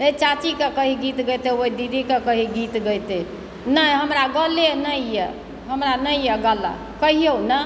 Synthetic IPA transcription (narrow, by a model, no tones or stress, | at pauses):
et͡ʃat͡ʃikekəɦiɡit̪ɡəjt̪eoid̪id̪ʱikekəɦiɡit̪ɡəjt̪e | nəɦəmɾaɡəlenəjjɛ | ɦəmɾanəjjəɡəla̰ | kəɦijounə